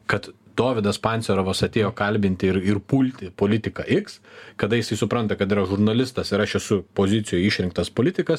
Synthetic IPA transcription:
kɐt̪ | d̪̥oːʋʲɪd̪ɐspɑnʲtsʲɛɾoːʋɐsɐt̪ʲeːjoːkɐlʲbʲɪnʲt̪ʲɪɪɾɪrpuːlʲt̪ʲɪpoːlʲɪt̪ʲɪkɐʔɪkskɐd̪ɐjɪsɐɪsʊpɾɐnt̪ɐkɐt̪iːɾɐʒʊɾnɐlʲɪst̪ɐsɪɾɐʃɛsʊpoːzʲɪt̪sʲɪjojɪʃʲɾʲɪŋk̚t̪ɐspoːlʲɪt̪ʲɪkɐs

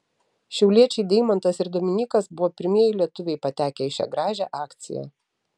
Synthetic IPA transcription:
ʃʲɛʊlʲiɛt͡ʃʲɛɪd̪ʲɛɪmɐnt̪ɐsɪɾd̪oːmʲɪnʲiːkɐsbʊʋoːpʲɪɾʲmʲiɛjɪlʲiɛt̪ʊʋʲɛɪpɐt̪ʲæːkʲɛɪʃʲɛ̰ɡɾɑːʒʲæ̰ʔɑːkt̪sʲɪ̰jæ̰

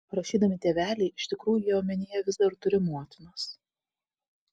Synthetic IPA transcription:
pɾɐʃʲiːd̪ɐmʲɪt̪ʲeːʋʲæːlʲɛɪɪʃʲt̪ʲɪkɾuːjʊjɛoːmʲɛnʲeːjɛʋʲɪzd̪ɐɾt̪ʊɾʲɪmuɔt̪ʲɪnoːs

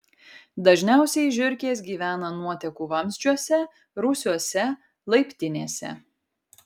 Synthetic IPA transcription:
d̪ɐʒʲnʲæˑʊsʲɛɪʒʲʊɾʲkʲeːs̬ɡʲiːʋʲæːnɐnuɔt̪ʲɛkuːʋɐmʲzʲd͡ʒʲuɔsʲɛ | ɾʊsʲuɔsʲɛ | lˠɐɪpʲt̪ʲɪnʲeːsʲɛ̰

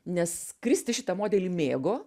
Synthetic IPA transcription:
nʲɛskɾʲɪsʲt̪ʲɪʃʲɪt̪ɐmoːd̪ʲɛlʲiːmʲeːɡoː

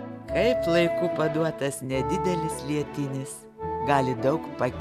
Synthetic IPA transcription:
kʰɐɪplˠɐɪkuːpɐd̪uɔt̪ɐsnʲɛd̪ʲɪd̪ʲɛlʲɪslʲiɛt̪ʲɪnʲɪs | ɡɑːlʲɪd̪ɐʊkpɐkʲ

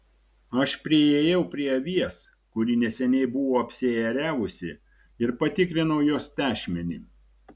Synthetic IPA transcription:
ɐʃpʲɾʲɪeːjɛʊpʲɾʲiɛʋʲiɛs | kʊɾʲiːnʲɛsʲɛnʲɛɪbʊʋoːɐpʲsʲeɛɾʲæːʋʊsʲɪ | ɪɾpɐt̪ʲɪkɾʲɪnɐʊjoːst̪ʲæːʃʲmʲɛnʲiː

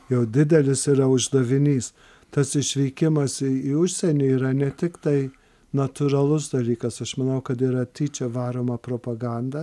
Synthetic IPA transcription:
jɛʊd̪ʲɪd̪ʲɛlʲɪsiːɾɐʊʒd̪ɐʋʲɪnʲiːs | t̪ɐsɪʃʲʋʲiːkʲɪmɐsɪiʊʃʲsʲɛnʲiːiːɾɐnʲɛt̪ʲɪkt̪ɐɪ | nɐt̪ʊɾɐlˠʊsd̪ɐlʲiːkɐsɐʃmɐnɐʊkɐt̪iːɾɐt̪ʲiːt͡ʃʲɛʋɑːɾoːmɐpɾoːpɐɡɑnd̪ɐ

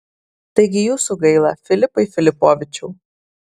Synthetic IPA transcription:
t̪ɐɪɡʲɪjuːsuɡɐɪlˠɐfʲɪlʲɪpɐɪfʲɪlʲɪpoːʋʲɪt͡ʃʲuː

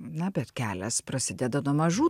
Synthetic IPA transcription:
nɐbʲɛt̪kʲæːlʲɛspɾɐsʲɪd̪ʲɛd̪ɐnuɔmɐʒuː

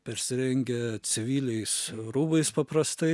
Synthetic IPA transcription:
pʲɛɾʲsʲɪɾʲɛŋʲɡʲɛt͡s̪ʲɪʋʲiːlʲɛɪsɾuːbɐɪspɐpɾɐst̪ɐɪ

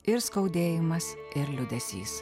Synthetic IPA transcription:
ɪɾskɐʊd̪ʲeːjɪmɐs | ɪɾlʲʊd̪ʲɛsʲḭːs

